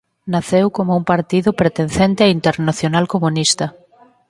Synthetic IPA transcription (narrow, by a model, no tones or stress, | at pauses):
naθewkomʊuŋpaɾt̪iðʊpɾet̪enθent̪eaint̪eɾnaθjonalkomunist̪ɐ